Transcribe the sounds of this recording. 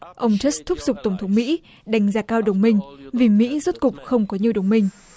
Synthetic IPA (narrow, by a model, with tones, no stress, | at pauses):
ʔə˧wŋ͡mt͡ɕə˦˥st̪ʰʊ˦˥p̚zʊ˨˩k͡p̚t̪ə˧˩wŋ͡mt̪ʰə˨˦wŋ͡mmḭ˧˥ | ɗa˨˩˦jŋ̟zaː˧kaː˧wɗə˨˩wŋ͡mmï˧˩ŋ̟vi˨˩mḭ˧˥zu˦˥t̚kʊ˨˩k͡p̚xə˧wŋ͡mkɔ˨˦ɲi˨əwɗə˨˩wŋ͡mmï˧˩ŋ̟